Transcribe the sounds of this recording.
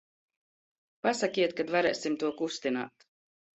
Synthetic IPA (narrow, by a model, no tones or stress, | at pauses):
pasakʲiɛt̪̚kad̪vaɾɛːsimt̪uɔkust̪ina̰ːt̪